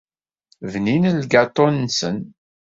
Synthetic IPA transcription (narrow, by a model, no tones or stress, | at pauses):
vninəlɡɑt̪ˤːɔnːsən